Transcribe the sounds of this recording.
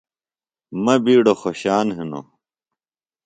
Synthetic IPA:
mɐbiːɽoxoɕaːnɦeno̰

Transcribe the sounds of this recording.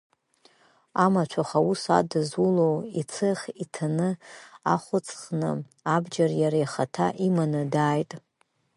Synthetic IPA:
amat͡ʃʷʰaχausa̰dɨzulowit͡sʰɨχʲitʰanɨa̰χʷʊt͡sʰʼχnɨ̰ | abd͡ʒarjaɾajχatʰa̰ʔimanɨdaːjtʼ

